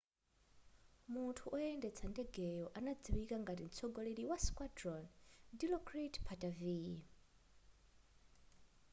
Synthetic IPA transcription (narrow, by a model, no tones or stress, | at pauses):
mutʰuʔɔɛndɛt͡sʰandɛɡɛjɔʔanad͡ziβikaŋɡatint͡sʰɔɡɔleɾiwaskwadɾɔndilɔkʰritpʰatʼavi